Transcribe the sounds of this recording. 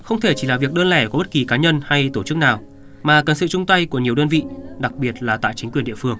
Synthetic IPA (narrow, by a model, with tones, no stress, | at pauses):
xə˧wŋ͡mt̪ʰe˧˩t͡ɕi˧˩laː˨˩vi˨˩ək̚ɗəː˧nlɛ˧˩kɔ˨˦ɓə˦˥t̚ki˨˩kaː˨˦ɲə˧nha˧jt̪o˧˩t͡ɕɨ˦˥k̚naː˨˩w | maː˨˩kə˨˩nsɨ̰˧˨t͡ɕʊ˧ŋ͡mt̪a˧jku˧˩əɲi˨˩əwɗəː˧nvḭ˧˨ɗa˨˩k̚ɓi˨˩ət̚laː˨˩t̪a̰ː˧˨jt͡ɕï˨˦ŋ̟kwi˨˩ənɗḭ˧˨əfɨ˧əŋ